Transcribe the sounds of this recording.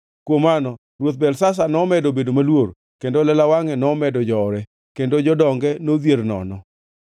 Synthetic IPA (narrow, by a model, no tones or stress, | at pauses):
kwomanɔ | ɾwot̪̚bɛlsas̬anɔmɛdobedomalwor | kendolɛlawaŋɛnɔːmɛdɔd͡ʒɔːɾɛ | kendod͡ʒɔdɔŋɡɛnod̪jernɔ̰nɔ